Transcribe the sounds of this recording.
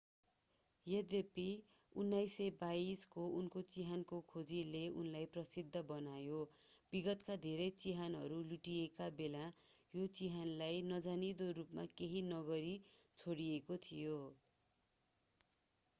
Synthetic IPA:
jed̪epi | unːajsebaiskounkot͡siɦankokʰod͡zileunlajprʌsid̪ʱːʌbʌnajobiɡʌt̪kad̪ʱeɾʌjt͡siɦanɦʌ̰ɾuluʈijekabela | jot͡siɦanlajnʌd͡zanid̪oɾupma̰keɦinʌɡʌɾit͡sʰoɽijekot̪ʰijo

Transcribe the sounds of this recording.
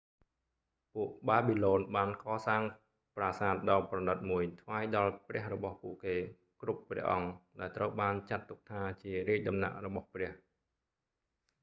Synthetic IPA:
puəʔɓaːɓiloːnɓaːnkɑːsaːŋ | praːsaːt̪̚ɗɑːprɑnɨt̪̚muəjt̪ʰʋaːjɗɑlprɛ̆əhrɔɓɑhpuəʔkeː | krupːrɛ̆əʔɑŋɗaɛlt̪rəwɓaːnt͡ɕat̪ːuk̚t̪ʰaːt͡ɕiəriəc̚ɗɑmna̰ʔrɔɓɑhprɛ̆əh

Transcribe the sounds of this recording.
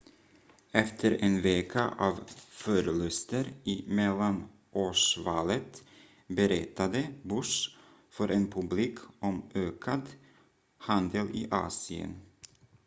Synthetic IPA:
ɛft̪ʰəɾenveːkʰaʔɑːvfœɾəlɵst̪əɾɪmɛlːan | ʔoːʂvɑːlət̪ | bəɾɛt̪ːad̪əbɵʂ | fœɾʔenpʰɵbliːkʰʔɔmøːkʰad̪ | hand̪əlɪ̰ʔɑ̰ːsɪə̰n

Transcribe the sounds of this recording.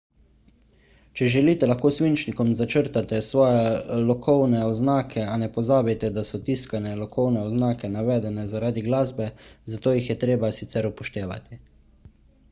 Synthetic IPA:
t͡ʃɛʒɛliːt̪ɛlaxkoːsʋint͡ʃnikɔmzat͡ʃəɾt̪at̪ɛsʋɔːjɛlɔkʰɔwnɛɔznaːkʰɛanɛpɔzaːbit̪ɛd̪asɔt̪iskanɛlɔkɔwnɛɔznaːkɛnaʋɛːd̪ɛnɛzaɾaːd̪iɡlaːzbɛzat̪oːjixjɛt̪ɾeːbasit̪sɛɾupɔʃt̪eːʋa̰t̪i

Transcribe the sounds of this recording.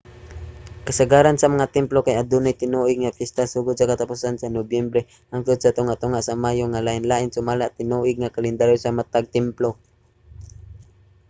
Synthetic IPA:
kasəɡaɾansamaŋat̪ɛmplokajad̪unajt̪ɪnuʔɪɡ̚ŋapjɛst̪asuːɡʊd̪̚sakat̪apusansanobjɛmbɾɛ | haŋkʊd̪̚sat̪ʊŋaʔt̪ʊŋaʔsamaːjoŋalaʔɪnlaʔɪnsʊmalaʔt̪ɪnuʔɪɡ̚ŋakalɛnd̪aɾjosamat̪aɡ̚t̪ɛmplo

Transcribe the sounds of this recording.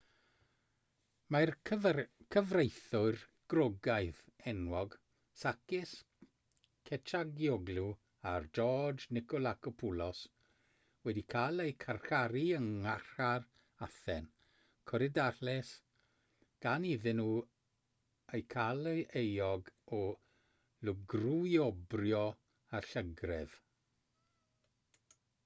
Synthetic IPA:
mar | kʰəvrejθʊɨrɡ̥rɔɡaɨθɛnwɔɡ | sakɪs | kʰɛtʰaɡjɔɡlu | ard͡ʒɔd͡ʒnɪkɔlˠakɔpʰulˠɔs | wɛdikʰaːlˠejkʰarxaɾiəŋarar | aθɛn | kʰɔɾɪdaɬɛs | ɡ̥aniðɪnuː | ejkʰaleejɔɡɔ | lʊɡrujɔbrjɔ | aɬəɡrɛð̥

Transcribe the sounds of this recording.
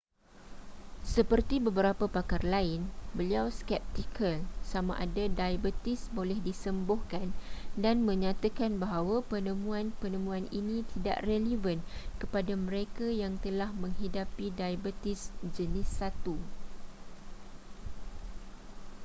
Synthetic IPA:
səpərt̪ibəbəɾapapakarlaɪnbəliawskɛp̚t̪ikʰəlsamã̰ʔadadajabət̪ɪsbolɛhdisəmbohkandanmə̃ɲãt̪akanbaɦawapənəmũanpənə̃mũaninĩt̪ida̰ʔrelevənkəpadamə̃ɾekajaŋt̪əlahmə̃ŋɦidapidajabət̪ɪsd͡ʒənɪsːat̪u

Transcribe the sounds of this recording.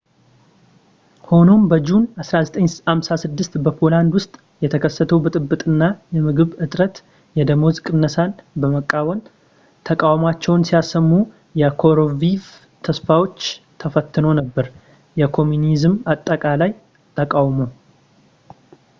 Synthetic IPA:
ho̞no̞mbəd͡ʒunasɾazət̪ʼəɲhamsasɨd̪ːɨst̪bəpʰo̞land̪wʊst̪ʼ | jɛt̪ʰəkʰəsːət̪ʰəwbɨt̪ʼɨbːɨt̪ʼɨnːajɛmɨɡɨβɨt̪ʼɾət̪ | jɛd̪əmo̞zkʼɨnːəsanbəməkʼːawən | t̪ʰəkʼawmat͡ʃːɛwnsijasəmːu | jɛkʰo̞ɾoviv | t̪ʰəsfawo̞t͡ʃːt̪ʰəfət̪ʰːɨno̞nəbːəɾ | jɛkʰo̞munizɨmat̪ʼːəkʼalaj | t̪ʰəkʼawmow

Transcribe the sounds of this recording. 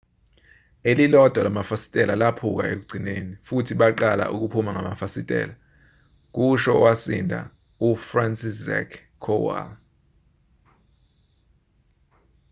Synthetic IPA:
elilɔd̥ʱalamafasi̥tʼɛlalapʰuk̬a̰ʔḛk̬uɡ͡ǀʱinenifutʰiɓaǃala̰ʔuk̬upʰumaŋamafasitʼɛ̰ːla | k̬uʃɔwasindʱa̰ | ufransisɛ̰kʰː | ɔwa̰l

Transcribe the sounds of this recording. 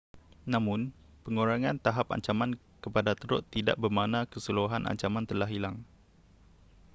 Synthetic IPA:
nãmʊ̃n | pəŋuɾaŋãnt̪aɦapa̰ɲt͡ʃamãn | kəpadat̪əɾʊ̰t̪ːida̰ʔbərmanãkəsəluaɦanʔa̰ɲt͡ʃamant̪ərlaɦilaŋ

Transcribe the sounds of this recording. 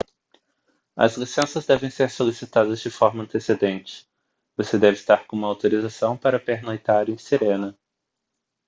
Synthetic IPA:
ɐ̰zlisẽsɐzd̪ɛvẽj̃seɾsolisit̪ad̪ɐzd͡ʒɪfɔɾmɐ̃nt̪esed̪ẽnt͡ʃɪ̥ | vosed̪ɛvɪst̪aɾkõũmɐawt̪oɾizasɐ̃w̃paɾɐpeɾnojt̪aɾẽj̃seɾẽnɐ

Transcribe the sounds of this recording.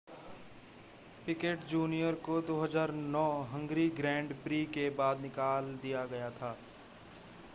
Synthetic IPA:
pɪkeːʈd͡ʒuːnijəɾkod̪oːɦəzaːɾnɔːɦə̃ŋɡɾiɡɾɛ̃ːɳɖpɾiːkebaːd̪nɪkaːld̪ijaɡɐjat̪ʰaː

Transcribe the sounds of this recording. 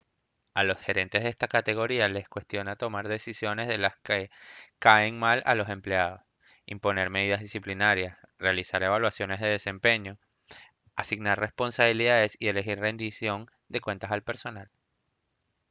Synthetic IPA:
alo̞sxe̞ɾe̞nt̪e̞zðest̪akat̪e̞ɣo̞ɾiale̞skwe̞st̪jo̞nat̪o̞maɾðe̞sisjo̞ne̞zðe̞laskekaeŋmala̰lo̞se̞mpleaðo̞s | impo̞ne̞ɾmeð̞ið̞azðisiplinaɾjasrealisaɾe̞β̞alwasjo̞ne̞zðe̞ð̞e̞se̞mpe̞ɲo̞ | asiɣnarre̞spo̞nsaβiliðaðe̞sie̞le̞xirre̞nd̪isjo̞n | d̪e̞kwe̞nt̪asalpe̞ɾso̞nal

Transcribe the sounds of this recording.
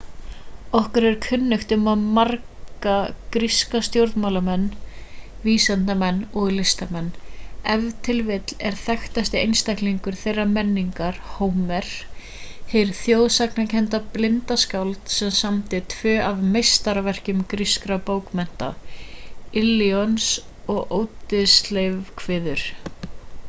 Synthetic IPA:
ɔhkʏɾɛɾ̥kʰʏnːʏxt̪ʏmaðmarkakɾiskast̪jowɾðmawlamɛnː | viːsɛn̥t̪amɛnːɔɣlɪst̪amɛnːɛvt̪ʰɪlvɪt̪lɛɾ̥θɛxt̪ast̪ɪejnst̪ajhkliŋkʏɾ̥θejrːamɛnːiŋkaɾ̥howmɛɾ̥ | hejɾθjoːwðsaknacʰɛn̥t̪aplɪnt̪askawlt̪sɛmsamt̪ɪt̪ʰvœːavmejst̪aɾavɛr̥cʏmkɾiskɾapowkmɛn̥t̪a̰ | ɪlːiɔns | ɔɣʔowt̪ɪslejvkʰvɪːðʏɾ̥

